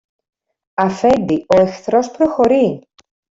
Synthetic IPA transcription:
ɐfɛnd̪ioexθɾospɾoxo̞ɾi

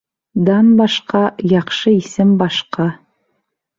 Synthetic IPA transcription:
d̪ɑnbɑʃqɑjɑχʃɤisɘmbɑʃqɑ

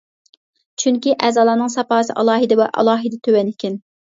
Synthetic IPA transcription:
t͡ʃʰyŋkʲiʔɛːzɑːlˠɑːnɨŋsɑpɑːsɨ̰ʔɑ̰lˠɑːɦɨd̪ɛwɛʔɑ̰lˠɑːɦɨd̪ɛt̪ʰøwɛnɪkʲɪn

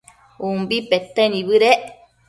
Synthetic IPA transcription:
umbipet̪enĩβɨɾeʔ

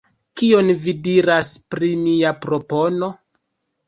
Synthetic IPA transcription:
kio̞nvidiɾaspɾimiapɾo̞po̞no̞

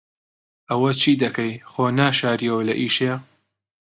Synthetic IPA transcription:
ʔɐwɐt͡ʃʰiːd̪ɐkʰɐjxoːnaːʃaːɾijɐwɐlɐʔiːʃejɐ

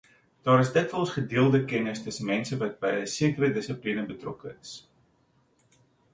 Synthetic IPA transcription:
d̥ɑːɾəsdətvəlˠsχədiəlˠdəkɛnəstəsənmɛnsəvɐt̚bɛjəsiəkərədəsəplinəbətrɔkəəs

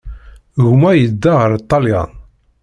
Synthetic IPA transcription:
ɣmæjəd̪ːaʁəɾit̪ˤːɑljɑ̰n

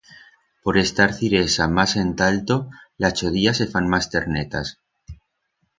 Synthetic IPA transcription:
po̞ɾe̞st̪aɾθiɾe̞samase̞nt̪alt̪olat͡ʃoð̞iase̞fanmast̪e̞ɾnet̪a̰s

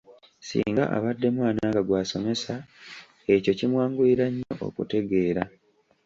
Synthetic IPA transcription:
sḭːŋɡa̰ʔa̰βadːe̞mwaːnaɡaɡwaːso̞me̞sa | e̞co̞cimwaːŋɡuiɾaɲːo̞ʔo̰kute̞ɡe̞ːɾa

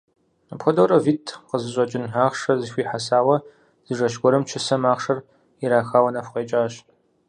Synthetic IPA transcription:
apxʷɐdowɾɐviːtʰqəzɨɕʷʼɐt͡ʃʼɪnaːχʂɐzɨxʷiːħasaːwɐ | z̥ɨʐɐʃɡʷɔɾɨmt͡ʃʰɪsɐmaːχʂɐr | iɾaːxaːwɐnɐfʷqʷeːt͡ʃʼaːɕ

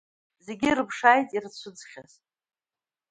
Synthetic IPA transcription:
ze̞ɡʲirɨpʰʂajtʼirt͡ɕʷʰʊd͡zχʲaz

